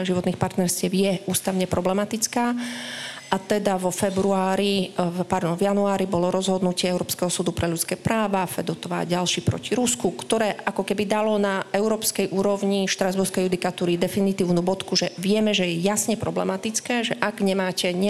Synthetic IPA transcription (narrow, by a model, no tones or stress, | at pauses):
ʒiʋɔt̪niːxpaɾt̪nɛɾscɪɛwjɛuːst̪aʊɲɛpɾɔblɛmat̪it͡skaː | ʔat̪ɛd̪aʋɔfɛbɾuaːɾipaɾd̪ɔnvjanuaːɾibɔlɔɾɔzɦɔd̪nucɪɛɛʊɾɔːpskɛɦɔsuːd̪upɾʔɛʎut͡skɛːpɾaːʋafɛd̪ɔt̪ɔʋa̰ːɟalʃipɾɔ̰ciɾuskukt̪ɔɾɛːʔakɔkɛbid̪alɔnaɛʊɾɔːpskɛjʔuːɾɔʋɲiʃt̪ɾazbuɾskɛjud̪ikat̪uːɾid̪ɛfinit̪iːʊnubɔt̪kuʒɛʋɪɛmɛʒɛjɛjasɲɛpɾɔblɛ̰mat̪it͡skɛːʒɛʔaɡɲɛmaːcɛɲɛ